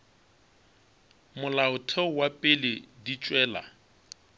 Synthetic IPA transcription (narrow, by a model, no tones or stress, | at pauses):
mʊlaʊtʰɛwapʼɪlɪdit͡ʃʼwɛːla̰